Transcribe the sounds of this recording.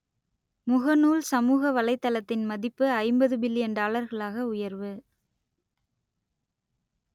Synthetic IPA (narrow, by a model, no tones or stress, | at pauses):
mʊɣɐnuːlsɐmuːɣɐʋɐlɐɪt̪ːɐlɐt̪ːɪnmɐðɪpːɯɐɪmbɐðɯbɪlːɪɐnɖaːɭɐɾɣɐɭaːɣɐʊjɐɾʋɯ